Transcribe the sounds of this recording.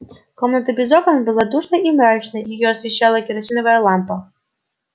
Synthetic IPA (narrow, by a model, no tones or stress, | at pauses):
kɔmnɐt̪ɨbʲizɔkɔnbɨlˠad̪uʂnɐimɾat͡ʃnɐjijɔɐsʲvʲɛɕalˠɐkʲiɾasʲinɐvɐjɐlˠampɐ